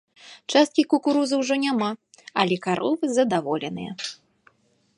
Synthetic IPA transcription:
t͡ʂast̪̚kʲikukuɾuzɐwʐɔnʲama | ɐlʲɛkaɾʔɔvɨzɐd̪avɔlʲɛnɨ̰jɐ̰

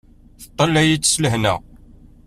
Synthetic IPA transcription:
θə̥t̪ˤːɑlːæjit͡sːsləɦnæ̰

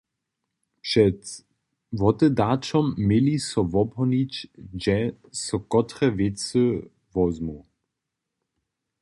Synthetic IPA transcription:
pʂɛt | vɔtɛdat͡ʃɔmːelisɔvɔbɦɔnit͡ɕd͡ʒɛ | sɔkɔtʁɛvet͡sə | vɔzmu

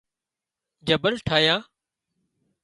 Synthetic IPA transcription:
d͡ʒəbəlʈʰaːjãː

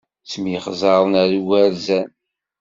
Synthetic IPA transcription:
t͡sːmjəχzˤɑɾˤənæɾuwæɾzæn

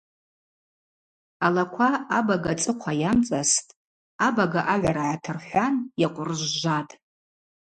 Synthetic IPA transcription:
alakʷʰaabaɡat͡sʼɨqʷʰajamt͡sʼastʼ | abaɡaʔaʕʷaɾaʕatʰɨrħʷanjaqʷʼʊrʒʒʷatʼ

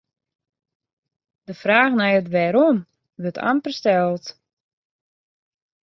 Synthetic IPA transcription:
d̥əfraːxnajətʋɛɾom | ʋøtʰa̰mpəstɛlˠt

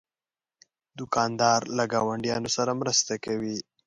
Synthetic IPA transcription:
d̪ʊkɑnd̪ɑɾlaɡɑwaɳɖjɑnosaɾamɾəst̪akawi

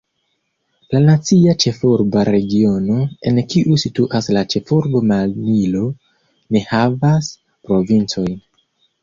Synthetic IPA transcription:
lanat͡siat͡ʃe̞fuɾbaɾe̞ɡio̞no̞e̞nkiʔusituʔaslat͡ʃe̞fuɾbo̞malnilo̞ | ne̞havas | pɾo̞vint͡so̞jn

